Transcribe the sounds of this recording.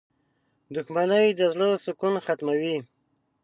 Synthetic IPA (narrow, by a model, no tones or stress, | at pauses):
d̪ʊxmanəwjd̪əzlosʊkunxat̪mawi